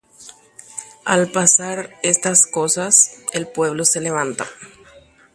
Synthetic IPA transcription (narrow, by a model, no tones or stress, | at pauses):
alpasaɾest̪asko̞sase̞lpwe̞β̞lo̞se̞le̞β̞ant̪a̰